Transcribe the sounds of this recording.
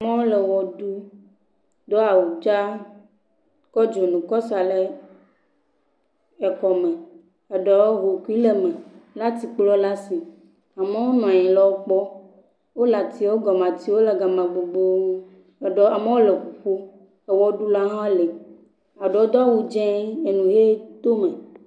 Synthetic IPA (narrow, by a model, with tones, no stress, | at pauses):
a˨mẽ˦wo˦lɛ˨wɔ˨ɖu˦ | d̪ɔ˦a˨wu˨d͡ʒa˦ | kɔ˦d͡ʒo˨nũ˨kɔ˦sa˨le˦ | ɛ˨kɔ˨mɛ̃˨ | ɛ˨ɖɔ˨wɦo˨ku˦i˦le˦mɛ̃˨la˦t̪i˨k͡plɔ˦la˦si˨ | a˨me˦wo˦nɔ̃˨a˨ɛ̃˨lɔ˦wo˦k͡pɔ˦ | wo˦la˨t̪i˨wo˦ɡɔ˨mã˨t̪i˦wo˦lɛ˨ɡa˨mã˨ɡ͡bo˨ɡ͡bo˦˨ | ɖɔ˨a˨me˦wo˦le˨ɸu˨ɸu˦ | ɛ˨wɔ˦ɖu˦la˦ɦã˦le˨ | a˨ɖɔ˨˦d̪ɔ˦wu˦d͡ʒɛ̃˦e˨nũ˨ɦe˦d̪̥o˦mẽ˨